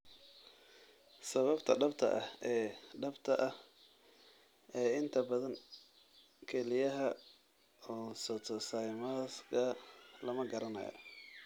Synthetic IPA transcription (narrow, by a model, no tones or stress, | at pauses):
sɐβɐbt̪ʰɐɖɐbt̪ʰɐ̰ʔɐhɛːɖɐbt̪ʰɐʔɐh | ɛːɪnt̪ʰɐbɐðɐŋ | kʰɛlɪjɐɦɐ | ɔːsɔt̪ʰɔsɐjmaskʰɐlɐmɐɡɐɾɐnɐ̰jɐ̰